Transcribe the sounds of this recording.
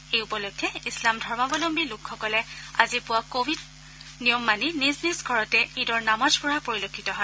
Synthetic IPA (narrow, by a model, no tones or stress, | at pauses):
ejupɔlokʰːɛislamdʱɔɹmabɔlombilukʰːɔkɔlɛazipʊwakobʱid | nijɔmːaniniznizɡʱɔɹɔtɛidɔɹnamazpɔɹapoɹilokʰːitɔɦɔj